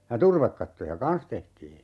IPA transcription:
jɑ turʋekːɑtːojɑ kɑn̞s tehtiː

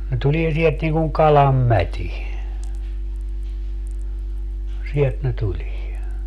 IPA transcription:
ne tulie sielt niŋ kuŋ kɑlɑm mætʲi sielt ne tulie

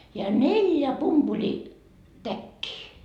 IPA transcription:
jɑ neljæ pumpulitækːiː

